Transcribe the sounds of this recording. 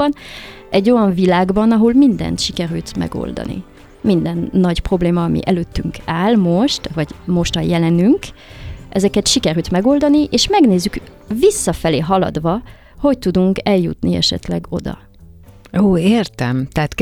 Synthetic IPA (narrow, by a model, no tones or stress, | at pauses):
ɒn | ʔɛɟːo̞jɒɱvilaːɡbɒnɒɦolmind̪ɛ̰nt̪ʃikɛɾylt̪mɛ̰ɡo̞̰ld̪ɒ̰nḭ | mind̪ɛnːɒɟpro̞bleːmɒːmḭʔɛløːt̪ːyŋkʰaːlmo̞ʃt̪vɒɟmo̞ʃt̪hɒjɛlɛnyŋkʔɛzɛkɛt̪ʃikɛɾylt̪mɛɡo̞ld̪ɒniʔeːʃmɛɡneːzːyk | visːɒfɛleːɦɒlɒ̰d̪ʋɒ | ho̞ct̪ud̪uŋkɛljṵt̪niɛ̰ʃɛ̰t̪lɛɡo̞̰d̪ɒ̰ | oːeːrt̪ɛmt̪ɛːt̪